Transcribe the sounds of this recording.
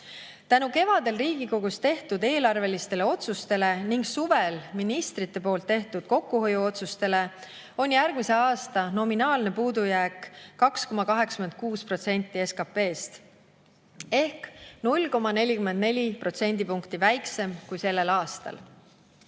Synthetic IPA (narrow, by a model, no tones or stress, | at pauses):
t̪ænuke̞vɑd̪̥e̞lriːɡ̥iko̞ɡ̥ust̪e̞ht̪ud̪e̞ːlɑrve̞list̪e̞leo̞t̪sust̪e̞le̞niŋɡsuve̞lminist̪rit̪ːe̞p̬o̞ːlt̪ːe̞ht̪ud̪̥̚ko̞kːuɦo̞juo̞t̪sust̪e̞le̞ | o̞nʲjærɡ̥mise̞ɑːst̪ɑno̞minɑːlne̞puːd̪ujæːkːɑksko̞mɑkɑɦe̞kskyme̞n̚kuːspro̞t̪se̞nʲt̪ːˑie̞skɑpe̞ːst̪ | e̞hknulʲko̞mɑne̞lʲikyme̞nd̪ne̞lʲipro̞t̪se̞nʲd̪̥ipuŋkt̪ivæjkse̞mkujse̞lːe̞lɑːst̪ɑ̰l